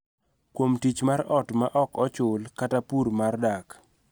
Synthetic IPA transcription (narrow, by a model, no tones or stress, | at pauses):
kwomtit͡ʃmaɾɔtmaʔɔkɔt͡ʃʊlkatapuɾmardak